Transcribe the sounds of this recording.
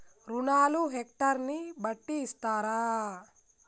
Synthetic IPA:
ɾunaːluɦek̚ʈɐɾnibɐʈːiːst̪aːɾaː

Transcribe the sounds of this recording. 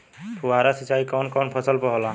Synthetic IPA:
pʰuwaɾasit͡ʃaːikɔːnkɔːnpʰəsəlpəɦɔla

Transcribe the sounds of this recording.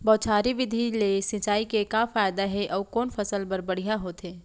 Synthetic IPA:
bɔːt͡ʃʰaːɾiʋɪd̪ʱilesɪ̃t͡ʃaːikekafaːjd̪aɦɛʔɔːkɔːnfɐsəlbɐɾbɐɽ̤ijaɦoːt̪ɦɛː

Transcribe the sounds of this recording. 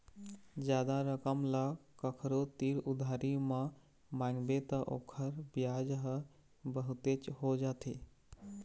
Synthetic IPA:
d͡ʒjaːd̪aɾəkəmlakəkʰɾot̪iːɾud̪ʱaːɾimə | mãːŋɡbet̪əʔo̰kʰəɾbijaːd͡ʒɦ | bəɦut̪et͡ʃɦod͡ʒaːt̪ʰe

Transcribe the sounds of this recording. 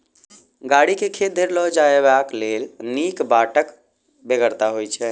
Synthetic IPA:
ɡaɽikekʰed̪ʱeɾlɔɦd͡ʒaeβaklelnikbaʈək | beɡəɾt̪aɦojt͡ʃʰɛ

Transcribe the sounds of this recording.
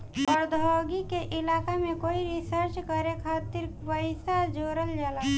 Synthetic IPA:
əɾd̪ʱɔɡikeʔɪlaːkamẽkoːiɾisəɾt͡ʃkəɾekʰaːt̪iɾpəɪsad͡ʒoːɾəld͡ʒaːla

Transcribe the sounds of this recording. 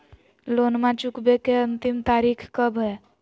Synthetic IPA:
lonmat͡ʃukbekeənt̪imt̪aɾikʰkəbɦɛ

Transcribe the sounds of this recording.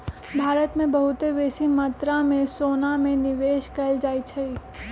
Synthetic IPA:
bʱaːɾət̪mẽbɐɦʊt̪eʋeːsimə̃t̪ɾãmẽsoːnamẽnɪʋeːʃkɐld͡ʒaːit͡ʃʰɐi

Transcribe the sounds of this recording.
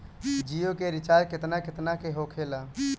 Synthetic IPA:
d͡ʒiːjokeɾɪt͡ʃaːɾkɪt̪nakɪt̪nakeɦoːkʰeːlaː

